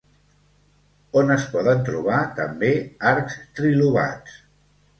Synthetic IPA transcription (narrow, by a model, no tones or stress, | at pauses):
onəspɔðənt̪ɾuβ̞at̪əmbeaɾkst̪ɾiluβ̞a̰t͡s